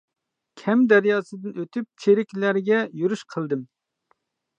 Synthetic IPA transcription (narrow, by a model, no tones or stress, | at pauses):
kʲʰɛmd̪æɾjɑːsɨd̪ɨnøt̪ʰyp̚t͡ʃʰeɾɪkʲlæɾɡʲɛjyɾyʃqʰəlˠd̪ɨm